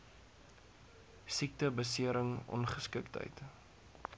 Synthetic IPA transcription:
sik̚təbəsiəɾəŋɔ̰nχəskəktə̰jt

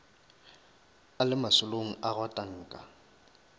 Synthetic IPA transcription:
alɪmasʊloŋ̩aɣwatʼaŋ̩ːkʼa̰

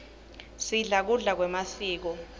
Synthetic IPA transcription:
siɮak̬uɮak̬wɛmasiːk̬ɔ

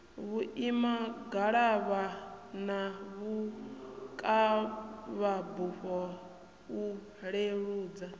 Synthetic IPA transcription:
βuʔimaɡaɺaβanaβu | kʼa | βabuɸɔ | u | ɺeɺuːd͡za

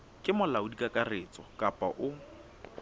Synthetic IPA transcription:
kʼɪmʊlaʊdikʼakʼarɪːt͡sʼɔkʼapʼaʔʊ

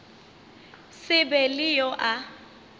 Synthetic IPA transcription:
sɪbɛlɪjɔʔa

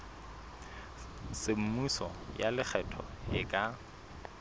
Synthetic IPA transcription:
sɪm̩musɔ̰jalɪk͡xʰɛtʰɔ̰hɪkʼa

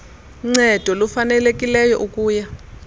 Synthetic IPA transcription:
ŋ͡ǀɛd̥ʱɔlufanɛlekʼilɛjɔʔukʼuːja

